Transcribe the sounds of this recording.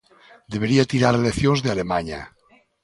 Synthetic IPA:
d̪eβeɾiat̪iɾaɾeleθjonzðealemaɲa̰

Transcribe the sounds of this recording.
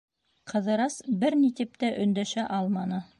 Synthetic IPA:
qʰɤ̆ðɤ̆ɾɑsbɘɾnit̪ɘ̆p̚t̪æʔɵ̆nd̪æʃæʔɑlˠmɑnɤ

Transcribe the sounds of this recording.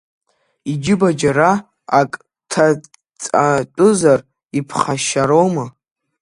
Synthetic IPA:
id͡ʒɪbad͡ʒaɾa | akʼ | tʰa | t͡sʼat͡pʷʼʊzar | ipʰχaʃaɾowmɨ

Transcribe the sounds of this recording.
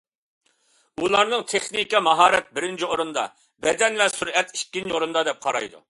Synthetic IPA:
ulˠɑɾnɨŋt̪ʰeχnikʲɛmɑɦɑːɾɛt̪̚bɪɾɪnt͡ʃʰioɾɨnd̪ɑ̰ | bɛd̪ɛnlɛsuɾɛt̪i̥ʃkʲːinoɾɨnd̪ɑd̪ɛp̚qʰɑɾɑ̰jd̪ṵ

